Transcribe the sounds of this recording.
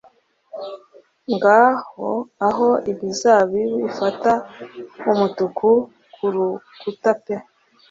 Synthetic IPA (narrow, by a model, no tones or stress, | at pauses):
ŋɡahoaɦo̞iβizaːβiwifataumutukʰu | kʰuɾu | kutape